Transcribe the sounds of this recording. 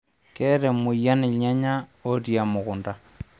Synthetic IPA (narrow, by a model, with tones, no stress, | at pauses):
kɛ˦ɾɛ˨mʊ˨ja˦nɪ˨ɲa˦ɲa˦o˦ɾja˨mo˨ɣʊ˨nda˨